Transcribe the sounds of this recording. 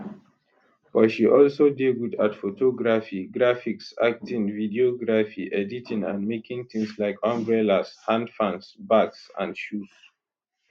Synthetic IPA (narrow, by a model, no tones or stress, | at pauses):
b̥ɔtʃiʔɔlsodeɡudatfotʰɔɡɹafiɡɹafiksa̰k̚tʰĩŋvidioɡɹafiʔɛditʰĩnã̰nmekĩŋθĩŋslaɪkʰɔ̃mbɹɛlashãndfãnsbaksã̰ndʃus